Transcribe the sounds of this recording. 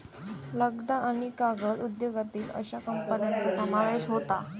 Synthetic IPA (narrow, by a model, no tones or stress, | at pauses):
ləɡd̪aʔaɽ̃ikaɡəɾud̪joɡat̪iːlə̰ɕakəmpənjant͡sasəmaʋeɕɦot̪a